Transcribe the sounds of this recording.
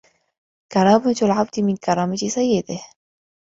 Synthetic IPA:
kɑɾˤɑːmat̪ʊlʕab̚t̪mɪnkɑɾˤɑːmat̪isajːɪd̪ah

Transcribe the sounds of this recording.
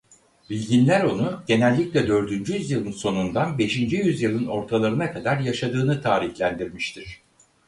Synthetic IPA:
bilʲɟinlʲæɾo̞nuɟe̞nɛlʲːiclʲɛd̪ø̞ɾd̪ynd͡ʒyjyzjɯlˠɯnso̞nund̪anbe̞ʃind͡ʒijyzjɯlˠɯno̞ɾt̪ʰalˠaɾɯnakʰad̪aɾjaʃad̪ɯːnɯt̪ʰaːɾiçlʲænd̪iɾmiʃt̪ʰiɾ̝̥

